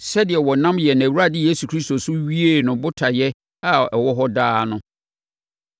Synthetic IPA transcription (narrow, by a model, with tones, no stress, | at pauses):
sɛ˦dɪ˨ɛ˨wɔ˨nã˦mjɛ˨ñ˨æ˨wu˦ɾa˨dɪ˦je˦su˨kʰɾi˦st̪o˨sʊ˦ɥi˦e˦˨nʊ̃˨bʊ˦tʰa˨jɛ˦ | a˨ɛ˨wɔ˦ɦɔ˦daː˦nʊ̃˦